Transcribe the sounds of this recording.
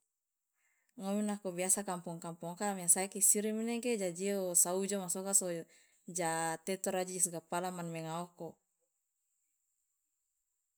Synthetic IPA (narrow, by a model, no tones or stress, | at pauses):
ŋominakobiasakampuŋkampɔŋkamiasaikisiɾimineked͡ʒad͡ʒiosaud͡ʒomasɔkaso | d͡ʒat̪ɛt̪ɔɾad͡ʒiisɡapalamanmeŋaɔko